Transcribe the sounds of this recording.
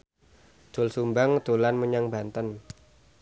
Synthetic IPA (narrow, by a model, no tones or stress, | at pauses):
d̪̥o̤lsumbaŋd̪̥o̤lanməɲaŋbant̪ən